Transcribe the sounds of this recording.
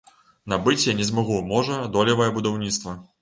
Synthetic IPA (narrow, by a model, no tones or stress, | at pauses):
nɐbɨt͡sʲjanʲɛzmaɣumɔʐɐd̪ɔlʲɐvɐjɐbud̪awnʲit̪st̪vɐ